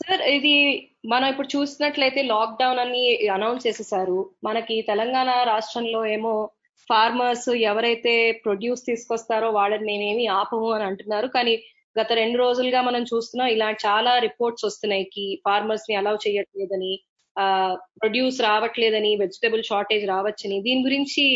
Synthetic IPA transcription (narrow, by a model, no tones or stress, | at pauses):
sɐɾid̪i | mɐnɐmipːuɽut͡ʃuːsinɐʈlɐjt̪e̞ːlaːk̚ɖɐwnɐnːiɐnɐwnst͡ʃɛːsɛsaːɾumɐnɐkit̪ɛlɐŋɡaːɳaɾaːʂʈɾɐnlo̞ːeːmo̞ː | pʰaːɾmaːɾsɛʋɐɾɐjt̪e̞ːpɾo̞ɖjuːst̪iːsu̥kɔst̪aːɾo̞ːʋaːɭːɐnine̞ːme̞ːmiːaːpɐʋɐmɐniɐɳʈunːaːɾukaːni | ɡɐt̪ɐɾe̞ɳɖuɾo̞ːd͡ʒuluɡaːmɐnɐmt͡ʃuːst̪unːaːmilaːt͡ʃaːlaːɾipo̞ːɾʈsost̪unɐjikipʰaːɾmɐːɾsniɛlaːʋt͡ʃɛːjɐʈleːd̪ɐni | pɾo̞ɖjuːsɾaːʋɐʈleːd̪ɐniʋe̞d͡ʒiʈebɐlʃaːɾʈe̞ːd͡ʒɾaːʋɐt͡ʃːɐnid̪iːniɡuɾiɲt͡ʃi